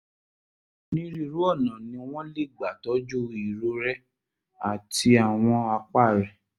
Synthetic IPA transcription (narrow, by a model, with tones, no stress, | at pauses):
nĩ˦ɾi˦˧˨ɾu˦ɔ˦˨nã˨nĩ˧w̃ɔ̃˦le˦˨ɡ͡ba˨tɔ˨˦d͡ʒu˦i˨ɾo˦ɾɛ˦ | a˨ti˧a˨w̃ɔ̃˧a˧k͡pa˦˨ɾɛ˨